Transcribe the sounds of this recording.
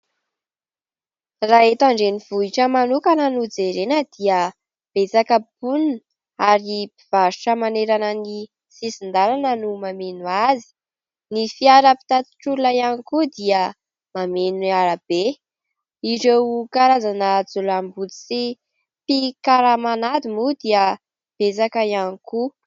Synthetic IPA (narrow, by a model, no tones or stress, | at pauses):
raet̪aɳɖ͡ʐeniv̥uiʈ͡ʂəmanukanənud͡zeɾenəd̪̥iə | b̥et͡sakəbunn | aɾipiv̥aɾu̥ʈ͡ʂəmaneɾanəni | sisind̪alanənumamenuazi̥ | nifiaɾəpi̥t̪at̪i̥ʈ͡ʂuulajanikud̪iə | mamenaɾab̥e | iɾewkaɾazanəd͡zulambut͡s̪it͡si | pikaɾamanad̪imud̪iə | b̥et͡sakəianiku